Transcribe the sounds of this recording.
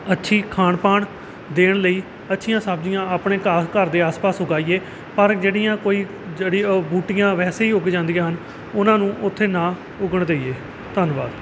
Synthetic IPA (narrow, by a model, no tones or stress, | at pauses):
ətːʃʰiːkʰaːɳpaːɳ | d̪eːɳləiː | ətːʃʰɪjãːsəbd͡ʒɪjãːaːpɳeːkaːkəɾd̪eːaːspaːsɦʊɡaːiːeː | pəɾd͡ʒeːɽɪjãːkoːiː | d͡ʒeːɽibuːʈɪjãːʋɛːseːiːʊɡd͡ʒãːnd̪ɪjãːɦən | ʊnãːnũːʔʊt̪ʰːeːnãː | ʊɡəɳd̪eːiːeː | t̪ənʋaːd̪